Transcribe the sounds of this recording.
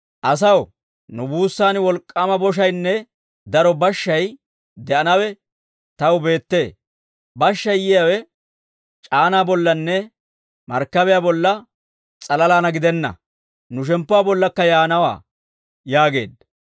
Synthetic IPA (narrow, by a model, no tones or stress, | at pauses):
ʔɐs̬ɐw | nʊbuːsːaːnwɔlkʼːɐmɐbɔʃ̬ɐjnːɛ | d̪ɐɾɔbɐʃːɐj | d̪ɛʔɐnɐwɛ | t̪ɐwbe̞ːt̪ːe̞ː | bɐʃːɐjjɪjawɛ | t͡ʃʼaːnaːbɔlːɐnːɛ | mɐɾkːɐbɛjabɔlːɐ | t͡sʼɐlɐlaːnɐɡɪd̪ɛnːɐ̰ | nʊʃ̬ɛmpːʊaːbɔlːɐkːɐjaːnɐwa̰ː | jaːɡe̞̰ːd̪